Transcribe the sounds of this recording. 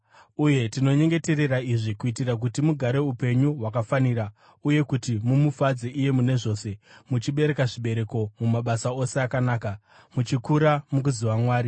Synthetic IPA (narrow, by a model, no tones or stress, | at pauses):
uje̞tino̞ɲe̞ŋɡe̞te̞re̞raiʐikuitirak̬utimuɡʱaɾe̞upe̞ɲuɦwakafaniɾa | uje̞kutimumufad͡zeʔije̞mune̞ʐo̞ːse̞mut͡ʃiɓe̞ɾe̞kaʐiɓe̞ɾe̞ko̞mumaɓasao̞se̞akanaːka | mut͡ʃikuɾamuk̬uziwamwaːɾi